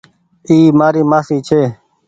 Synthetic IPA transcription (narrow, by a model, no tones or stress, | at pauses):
iːmaːɾiːmaːsiːt͡ʃʰeː